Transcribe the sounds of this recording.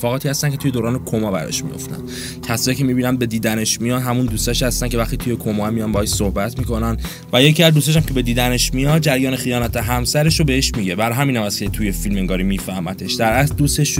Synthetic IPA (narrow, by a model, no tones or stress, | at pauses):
fɒːɣɒːt̪ʰiːhæst̪æncʰeujeoːɾɒːnekʰomɒbæ̰ɾɒ̰ʃmḭjo̰ft̪æ̰n | cʰæsɒːɾicʰemibiːnænbe̞d̪iːd̪æne̞ʃmijɒːd̪ɦæmund̪uːst̪æʃhæst̪æncʰe̞væχt̪it̪ʰuje̞kʰomɒmijɒnbɒeʃsohbæt̪ʰmiːko̞næn | væje̞ciæzd̪ust̪æʃ̬æmcʰe̞be̞d̪iːd̪æne̞ʃmijɒd̪̚d͡ʒæɾjɒːnexijɒːnæt̪ʰeɦæmsæɾe̞ʃobeheʃmiɟe̞bæɾɒɦæmiːnæmæset̪ʰujefilmeŋɡɒːɾimiːfæhmæt̪ʰeʃd̪æɾæsd̪uːst̪e̞ʃ